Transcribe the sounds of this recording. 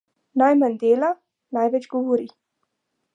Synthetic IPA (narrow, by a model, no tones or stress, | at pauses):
najmanʲd̪eːla | najʋɛt͡ʃɡɔʋɔɾi